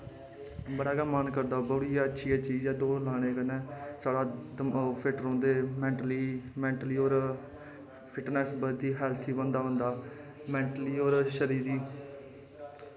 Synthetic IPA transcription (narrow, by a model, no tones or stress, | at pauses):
bəɽaːɡəːmaːnkəɾd̪aːbəɽiːaətːʃʰiːɛːt͡ʃiːd͡ʒɛːd̪oːlaːɽ̃eːkənɛ̃ːsaːɽaː | pʰɪʈɾõːnd̪eːmɛ̃ːɳʈəliːmɛ̃ːɳʈliːoːɾ | pʰɪʈnɛːsbəd̪iːɦɛːlt̪ʰiːbənd̪aːɦʊ̃nd̪aː | mɛ̃ːɳʈəliːoːɾʃəɾiːɾiː